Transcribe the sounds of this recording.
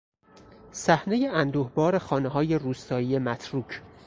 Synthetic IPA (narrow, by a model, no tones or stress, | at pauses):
sæhne̞je̞ænd̪uːhbɒːɾe̞xɒːneɦɒːje̞ruːst̪ɒːiːe̞mæt̪ʰɾuːcʰ